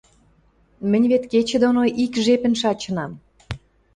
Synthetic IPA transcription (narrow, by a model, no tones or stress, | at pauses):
mə̆nʲβet̪ket͡ɕĕd̪onoʔikʒepə̆nʃɑt͡ɕə̆nɑm